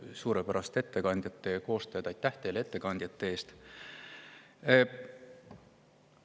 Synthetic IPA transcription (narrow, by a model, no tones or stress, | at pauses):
suːɾepæɾɑst̪e̞t̪ːe̞kɑnʲd̪̥jɑt̪ːˑe̞ko̞ːst̪ød̪ɑjt̪ːˑæht̪e̞jle̞t̪ːe̞kɑnʲd̪̥jɑt̪ːeeːst̪